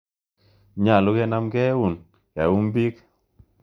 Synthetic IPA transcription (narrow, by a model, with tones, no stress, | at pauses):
ɲa˨lʊ˦kɛ˦na˦mkɛ˦u˦˨n | ja˨u˦mbi˦k